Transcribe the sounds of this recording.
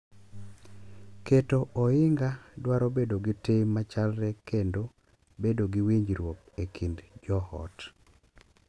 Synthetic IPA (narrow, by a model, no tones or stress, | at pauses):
ketoɔɪŋɡadwaɾobedoɡitemat͡ʃalɾɛkendo | bedoɡiwiɲd͡ʒɾwok̚ | ekʰindd͡ʒɔhɔ̰t